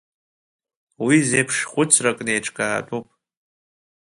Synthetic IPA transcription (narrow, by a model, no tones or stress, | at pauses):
wizejpʰʂχʷʊt͡sʰrakʼnejʈ͡ʂʰʼkʼa̰ːt͡pʼupʼ